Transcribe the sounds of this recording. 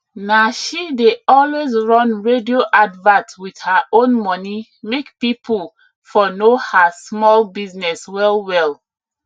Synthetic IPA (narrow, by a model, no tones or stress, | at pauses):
naʃideɔlwezɹɔ̃nɹedioʔadvãntwiθhaʔõnmɔni | mekpipʰul | fɔnohasmɔlbiznɛswɛlwɛl